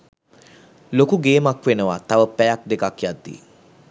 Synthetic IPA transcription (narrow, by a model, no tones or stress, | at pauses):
lokuɡeːmakʋenəʋat̪aʋəpɛjak̚d̪ekakjad̪ːḭ